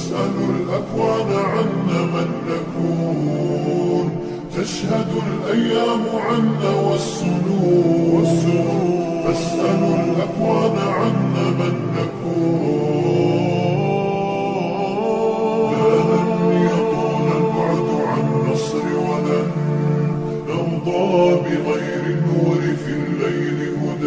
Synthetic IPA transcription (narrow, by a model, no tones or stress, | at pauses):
sʔalʊlʔakwaːnaʕanːamanːakuː | n | ʔaʃhad̪alʔajːaːmʊʕanːawɑsˤːʊnʊwasːʊ | ʔasʔalʊlʔaxwaːnaʕanːamanːakuːn | ðaːlanjaq̪uːnalbɑʕʊd̪ʊʕanːɨsˤɾɪwalan | nɑwd̪ˤɑːbɪɣajɾɪnːuːɾɪfiːlːajlɪhʊd̪a